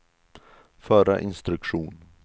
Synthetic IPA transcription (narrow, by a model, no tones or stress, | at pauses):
fœːɾa̰ʔɪnst̪ɾɵkʂuːn